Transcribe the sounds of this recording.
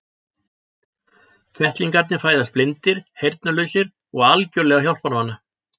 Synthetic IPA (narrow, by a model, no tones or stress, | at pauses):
cʰvɛht̪liŋkaɾt̪nɪ̥faːjðasplɪnt̪ɪɾ̥hejɾt̪nalœːɥsɪɾ | ɔɣalcœlɛɣaçjawlpɔnvanːa